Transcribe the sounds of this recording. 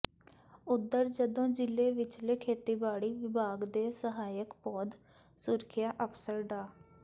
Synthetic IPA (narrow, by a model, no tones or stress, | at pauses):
ʊd̪ːəɾd͡ʒəd̪õːd͡ʒɪlːeːʋɪt͡ʃleːkʰeːt̪iːbaːɽiːʋɪbaːɡd̪eːsəɦaːjəkpɔːd̪ | sʊɾkʰjaːʔəpʰsəɾɖaː